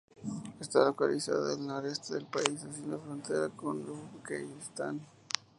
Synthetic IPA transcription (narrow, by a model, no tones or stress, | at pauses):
est̪alo̞kalisa̰ða̰elnoɾest̪eðelpaisas̬iunafɾont̪e̞ɾakonlauβlikaiest̪an